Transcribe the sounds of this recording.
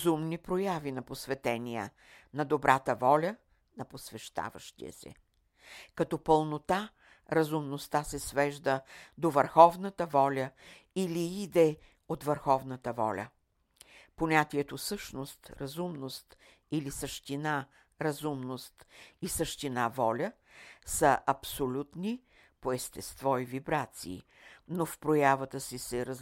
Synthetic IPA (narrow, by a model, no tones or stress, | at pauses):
zumnipɾojavinɐposvɛt̪ɛnʲijə̰ | nɐd̪obɾʔat̪əvɔlʲə | nɐposvɛʃt̪a̰və̰ʃt̪ḭə̰sɛ̰ | kɐt̪ɔpəlˠnot̪a | ɾɐzumnost̪asɛsvɛʒd̪əd̪ovəɾxɔvnət̪əvɔlʲəiliid̪ɛ | ot̪vəɾxɔvnət̪əvɔ̰lʲə̰ | ponʲat̪iɛt̪osɤʃnost̪ɾɐzumnost̪ | ilisəʃt̪ina | ɾɐzumnost̪isəʃt̪inavɔlʲə | səʔɐpsolʲut̪ni | poɛst̪ɛst̪vɔivibɾat̪sḭː | nofpɾojavət̪əsisɛɾə